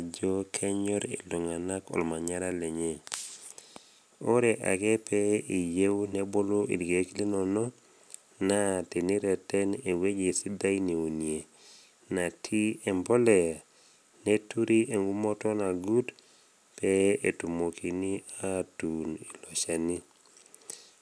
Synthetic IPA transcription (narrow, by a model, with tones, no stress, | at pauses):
d͡ʒo˦kʰɛ˦ɲɔ˦ɾḛ˨lo˨ŋa˨na˦kɔ̰˨lma˨ɲa˦ɾa˦lɛ˨ɲe˦ | o˦ɾɛ˨ʔa̰˨ɡɛ˦pɛi˨je˦wnɛ˦bo˦lo˦ʔḭ˨dɡe˨˦kli˦nɔ˨nɔ˦ | na˦˨ti˨ni˦ɾɛ˨tɛ˦ne˨we˦d͡ʒe˨si˦da˦jni˨u˨nje˨ | na˨tʰi˦ɛ˨mbɔ˦lɛ˨a˨ | ne˦tu˦ɾi˦ʔe˨ŋɡu˦mɔ˦tɔ˦na˨ɡu˦t | pɛe˨tu˨mo˨kʰi˨ni˦a˦tu˨ni˨lo˨ʃa˨ni˦